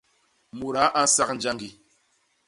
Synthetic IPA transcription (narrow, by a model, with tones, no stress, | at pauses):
mu˨ɾa˨˦ʔa˦n̩˦sa˦k̚n̩˨˦d͡ʒa˦ŋɡi˨